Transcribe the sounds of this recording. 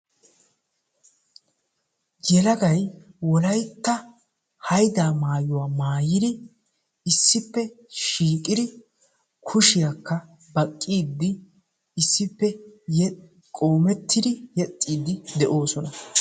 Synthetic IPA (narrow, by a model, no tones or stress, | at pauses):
ɡɛlɐɡɐjwɔlɐjt̪ːɐ | hɐjd̪aːmaːjʊwaːmaːjɪd̪ɪ | ɪsːɪpːɛ | ʃiːkʼɪd̪ɪ | kʰʊʃɪjakːɐ | bɐkʼːiːd̪ːɪ | ɪsːɪpːɛjɛ | kʼo̞ːmɛt̪ːɪd̪ɪjɛt̪ʼːiːd̪ɪd̪ɛʔo̞ːsɔnɐ